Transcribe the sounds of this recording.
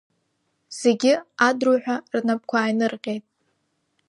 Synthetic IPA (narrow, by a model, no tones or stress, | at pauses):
z̥e̞ɡʲɪadruħʷᶣarnap̚kʷʰaːjnɨrqʲʼe̞jtʼ